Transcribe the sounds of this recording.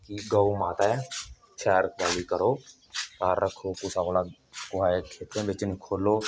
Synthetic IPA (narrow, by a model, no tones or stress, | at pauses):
kiɡaumaːt̪aɛ | t͡ʃʰɛːɾəkʰbaːlikəɾoː | kaːɾːəkʰoːkusakola | kʊaːekʰeːt̪ʰẽbɪt͡ʃnikʰoːloː